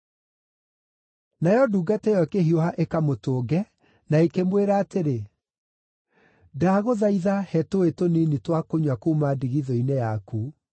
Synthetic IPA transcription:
najɔduːɡatɛjɔkeɦiohaʔekamotoːɡɛ | naekemweɾaːteɾe | daːɣoðaiðahɛtoetoninitwakoɲwakumadiɣiðɔinɛjaku

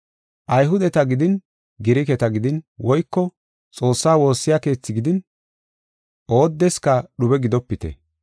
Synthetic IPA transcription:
ʔɐjɦʊd̪ɛt̪ɐɡɪd̪ɪn | ɡɪɾɪkɛt̪ɐɡɪd̪ɪnwɔjkːɔ | t͡sʼo̞ːsːaːwo̞ːsːɪjake̞ːt͡sːɪɡɪd̪ɪn | ʔo̞ːd̪ːɛskɐɗʊbɛɡɪd̪ɔpːɪt̪ɛ̰

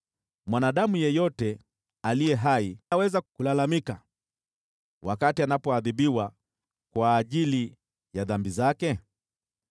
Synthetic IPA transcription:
mwanaɗamujɛjɔtɛ | alijɛɦaiawɛzakulalamika | wakatianapɔaðiɓiwa | kwaːʄili | jaðambizakɛ

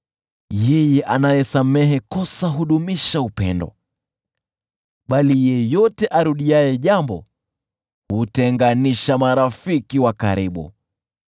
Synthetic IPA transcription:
jɛjɛʔanajɛsamɛɦɛkɔsaɦuɗumiʃaupɛ̰ndɔ̰ | ɓalijɛjɔtɛʔaɾuɗiajɛʄambɔ̰ | hutɛŋɡaniʃamaɾafikiwaka̰ɾiɓṵ

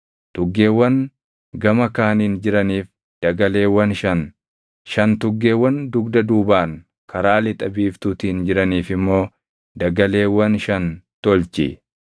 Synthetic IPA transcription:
t̪ʊɡːe̞ːwːɐn | ɡɐmɐkaːniːnd͡ʒɪɾɐniːf | d̪̥ɐɡɐle̞ːwɐnʃɐn | ʃɐnt̪ʊɡːe̞ːwːɐnd̪ʊɡd̪ɐd̪uːbaːŋ | kʰɐɾaːlɪt̪ʼɐbiːft̪uːt̪iːnd͡ʒɪɾɐniːfɪmːo̞ː | d̪ɐɡɐle̞ːwɐnʃɐnt̪ɔlt͡ʃɪ̰

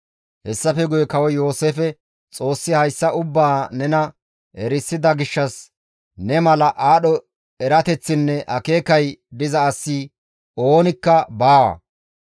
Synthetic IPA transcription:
hɛsːɐfɛɡʊjɛkɐwɛjo̞ːseːfɛ | t͡sʼo̞ːsːɪhɐjsːɐʊbːaːnɛnɐ | ɛɾɪsːɪd̪ɐɡɪʃːɐs | nɛmɐlɐʔaːɗɔ | ɛɾɐt̪ɛt͡sːɪnːɛʔɐke̞ːkɐjd̪ɪzɐːsːi | o̞ːnɪkːɐbaːwɐ̰

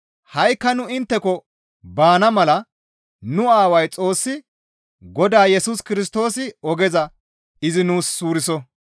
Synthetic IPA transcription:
hɐjkːɐnʊɪnt̪ːɛkɔ | baːnɐmɐlɐ | nʊaːwɐjt͡sʼo̞ːsːɪ | ɡɔd̪aːjɛsuskɪɾɪs̬t̪o̞ːsɪɔɡɛzɐ | ɪzɪnuːsːuːɾɪsɔ

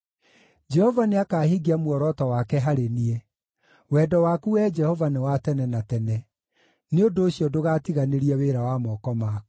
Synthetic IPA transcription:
d͡ʒɛhɔvaneakaːhiɡiamwɔɾɔtɔwakɛɦaɾenie | wɛdɔwakuwɛd͡ʒɛhɔvanewatɛnɛnatɛnɛ | neondoːɕjɔdoɣaːtiɣaneɾiɛweɾawamɔːkɔma

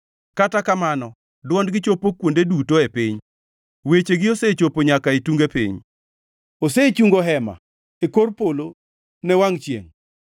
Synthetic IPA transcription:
katakamanɔ | dwɔndɡɪt͡ʃopokwondedutoepiɲ | wet͡ʃeɡɪoset͡ʃopoɲakaituŋɡepḭɲ | oset͡ʃuŋɡoɦɛma̰ | ekorpolo | nɛwaŋt͡ʃjḛŋ

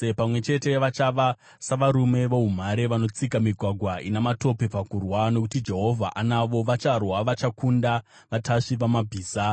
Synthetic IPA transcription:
epamwe̞t͡ʃe̞te̞ʋat͡ʃaʋa | saʋaɾume̞ʋoɦum̤aɾeʋano̞t͡sikamiɡʱwaɡʱwainamato̞pe̞pakurwano̞kutid͡ʒe̞ɦo̞vʱaʔanaʋo̞ʋat͡ʃarwaʋat͡ʃakunda | ʋatʰaʂiʋamabʱiːsa

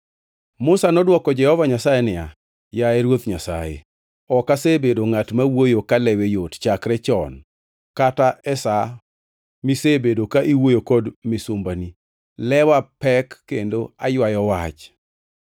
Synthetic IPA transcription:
mʊsanɔdwɔkɔd͡ʒɛhɔvaɲasajenɪa | jaɛɾwot̪ɲasa̰jḛ | ɔkasebedoŋatmawojokalɛwejott͡ʃakɾɛt͡ʃɔn | kataɛsa | misebedokaʔiwojokɔdmɪsʊmbani | lɛwapɛkːendoajwajɔwat͡ʃ

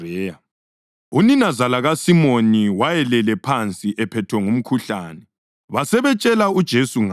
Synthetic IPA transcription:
ɛːa | uninazalaɣasimoniwajɛlɛlɛpʰant͡sʼiʔɛpʰɛtʰwɛŋum̩kʰuɬaːnɛ | βasɛβɛt͡ʃʼɛlaud̥ʒ̥ʱesuŋa

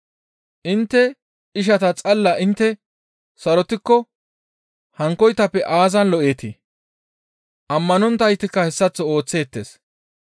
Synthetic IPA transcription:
ʔɪnt̪ːɛ | ɪʃ̬ɐt̪ɐt͡sʼɐlːɐʔɪnt̪ːɛ | sɐɾɔt̪ɪkːɔ | hɐŋkːɔjt̪ːɐpːɛʔaːzɐnlɔʔeːt̪i | ʔɐmːɐnɔnt̪ːɐjt̪ːɪkːɐhɛsːɐt͡sːɔoːt͡sːe̞ːt̪ːḛːs

